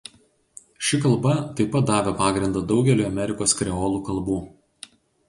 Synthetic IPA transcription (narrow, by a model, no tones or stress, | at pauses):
ʃʲɪkɐlˠˑbɐt̪ɐɪpɐt̪̚d̪ɑːʋʲopɑːɡɾʲɪnd̪ɐd̪ɒʊɡʲɛlʲuːɐmʲɛɾʲɪkoːskɾʲɛɔːlˠuːkɐlˠbuː